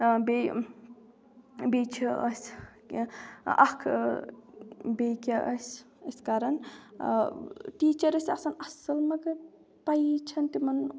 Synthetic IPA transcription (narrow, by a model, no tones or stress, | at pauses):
be | bet͡ʃʰiʔɐsʲ | ɐ̰kʰ | bekʲɐʔɐsʲ | ɐsʲkaːɾɐn | ʈiːt͡ʃɐɾɐsʲɐsɐnɐsɐlmɐɡɐ | pajt͡ʃʰɐnt̪imɐn